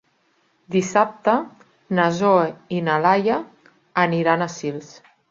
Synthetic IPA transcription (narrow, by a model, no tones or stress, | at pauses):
d̪isap̚t̪ə | nazoeinalajaː | niɾanasils